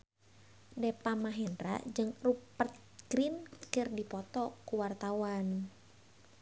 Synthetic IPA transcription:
dɛpamaɦɛnɾa̰d͡ʒɨŋrupət̪̚ɡ̥ɾinkɨrdipɔt̪ɔkuwart̪awan

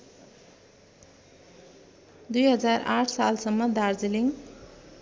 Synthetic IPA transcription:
d̪ujɦʌd͡zara̰ʈʰsalsʌmːʌd̪ard͡ziliŋ

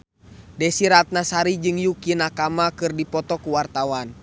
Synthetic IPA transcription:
dɛsiɾat̪̚nasaɾid͡ʒɨŋjukinakamakɨrdipɔt̪ɔkuwart̪awan

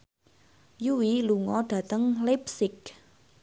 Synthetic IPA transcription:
juwiluŋɔɖ̥ä̤t̪əŋlip̚sɪk̚

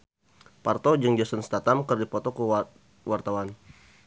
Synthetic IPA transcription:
part̪ɔd͡ʒɨŋd͡ʒasənst̪at̪amkərdipɔt̪ɔkə | wart̪awan

